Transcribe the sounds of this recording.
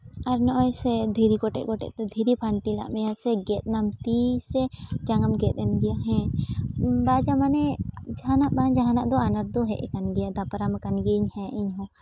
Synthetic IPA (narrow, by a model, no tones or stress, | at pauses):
aɾnɔʔɔjsɛd̪ʱiɾikɔʈɛ̰ʔ̚kɔʈɛ̰ʔt̪ɛd̪ʱiɾipʰaɳʈila̰ʔmɛjasɛɡɛt̪̚namt̪isɛd͡ʒaŋamɡɛt̪̚ˀɛnɡɛjaɦɛ̃ | bad͡ʒamanɛd͡ʒaɦanaʔbaɲd͡ʒaɦanaʔd̪ɔanaɾd̪ɔɦɛ̰ʔɛ̰kanɡɛjad̪apaɾamakanɡiɲhɛ̃ʔiɲɦɔ̃